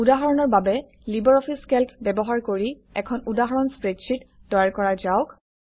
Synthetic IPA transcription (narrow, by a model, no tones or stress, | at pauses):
udaɦɔɹɔnɔɹbabɛ | libɔɹɔpʰiskɛltʰbɛbɔɦaɹkoɹi | ɛkʰɔnudaɦɔɹɔnspɹetsʰitdɔjaɹkɔɹazaʊk